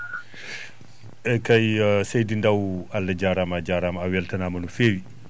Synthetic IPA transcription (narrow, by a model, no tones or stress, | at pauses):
ɛkajsejdindawalːɐd͡ʒaɾamad͡ʒaɾamawɛltɐnamɐnufeːwi